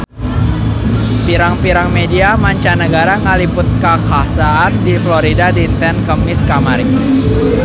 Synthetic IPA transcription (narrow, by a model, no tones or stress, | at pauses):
piɾaŋpiɾaŋmediamaɲt͡ʃanəɡaɾaŋəlipʊt̪̚kakasaːndifloɾidadint̪ɛnkəmŋiskamaɾi